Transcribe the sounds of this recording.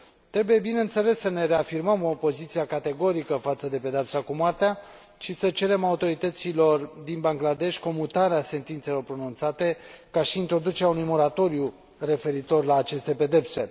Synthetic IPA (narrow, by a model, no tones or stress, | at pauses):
t̪ɾe̞buje̞bineɨnt̪se̞le̞sːəne̞ɾe̞afirməmoːpo̞zit̪siakat̪e̞ɡo̞ɾikəfat̪səd̪e̞pe̞d̪eapsakumwart̪ea | ʃisət͡ʃe̞ɾe̞maut̪o̞ɾit̪ət̪silo̞rd̪inbaŋɡlad̪e̞ʃʲko̞mut̪aɾease̞nt̪int̪se̞lo̞rpɾo̞nunt̪sat̪e̞kaʃiːnt̪ɾo̞d̪ut͡ʃeɾʲeaunujmo̞ɾat̪o̞ɾju | re̞fe̞ɾit̪o̞rlaːt͡ʃe̞st̪e̞pe̞d̪e̞pse̞